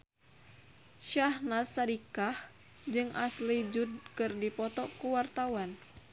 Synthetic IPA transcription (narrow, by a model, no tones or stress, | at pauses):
ʃahnasadikah | d͡ʒɨŋʔaslid͡ʒud̚kɨrdipɔt̪ɔkuwart̪awan